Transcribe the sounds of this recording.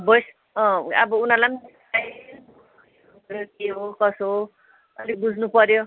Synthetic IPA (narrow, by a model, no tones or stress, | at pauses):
bʌjs | ʌ̰bʌunalam | a | ɾokeɦokʌsɦo | ʌ̰libud͡zʱnupʌɾjo